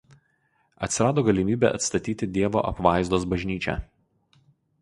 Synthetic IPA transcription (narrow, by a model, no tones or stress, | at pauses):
ɐt̪ʲsʲɪɾɑːd̪oːɡɐlʲɪmʲiːbʲɛ̰ʔɐt̪st̪ɐt̪ʲiːt̪ʲɪd̪ʲiɛʋo̰ːʔɐpʋɑˑɪzd̪oːsbɐʒʲnʲiːt͡ʃʲɛ̰